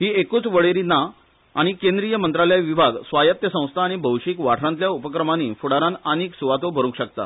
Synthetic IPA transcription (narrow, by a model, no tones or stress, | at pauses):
ɦiːekuːt͡sʋəɭeɾina | a̰ɽ̃ikẽnd̪ɾijəmənt̪ɾaljaʋibʱaɡsʋajət̪jəsə̃w̃st̪ʰaːɽ̃ibʱəwɕiːkʋaʈʰɾãnt̪ljaupəkɾəmanifuɽaɾãnaniːksuʋat̪obʱəɾũŋkɕəkt̪a̰